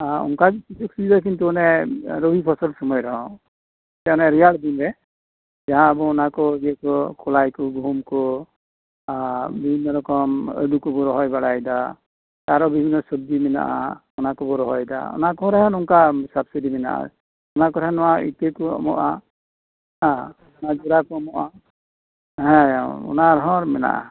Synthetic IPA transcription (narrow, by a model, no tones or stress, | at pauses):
aṵŋkaisisuksidak̬intuɔnɛɾobʱipʰɔsɔlsɔmɔjɾɔɦãw | tɛɔnɛɾijaldimbɛ | zaɦãːbɔːnakɔziɛkɔkɔlajkɔɡumkɔ | bibʱinːɔɾɔkɔmɔ̰jdukɔbɔɾɔɦɔjbaɽajda | taɾɔbibʱinːɔsɔb̚dimina̰ʔa̰ | ɔnakɔbɔɾɔɦɔjda̰ɔ̰nakɔɾaɦanɔŋkasabsidimɛna̰ʔa̰ | ɔnakɔɾɛnɔwaḭtekuɔ̰mɔ̰ʔa | ɦã | ɔnad͡ʒuɾakɔɔmɔʔa | ɦɛ̃ṵnaɾɦɔ̃ɾmɛna̰ʔa̰